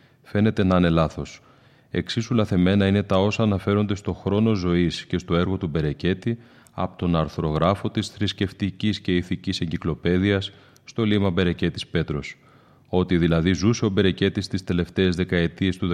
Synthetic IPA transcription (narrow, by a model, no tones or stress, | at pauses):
fe̞ne̞t̪e̞nɐne̞lɐθo̞s | e̞̰ksisulɐθe̞me̞nɐine̞t̪ɐo̞sɐːnɐfe̞ɾo̞nd̪e̞st̪o̞xɾo̞no̞zo̞isce̞st̪o̞e̞ɾɣo̞t̪ube̞ɾe̞ce̞t̪i | ɐ̰pot̪o̞nɐɾθɾo̞ɣɾɐfo̞t̪isθɾisce̞ft̪icisce̞iθicise̞ɲɟiklo̞pe̞ðiɐsː | t̪o̞limɐbe̞ɾe̞ce̞t̪ispe̞t̪ɾo̞s | o̞t̪iðilɐðizuse̞o̞be̞ɾe̞ce̞t̪ist̪ist̪e̞le̞ft̪e̞ːzðe̞kɐe̞t̪ie̞st̪uð